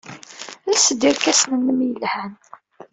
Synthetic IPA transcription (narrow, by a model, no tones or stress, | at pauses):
lsəd̪iɾkæsnənːəmjəlhæn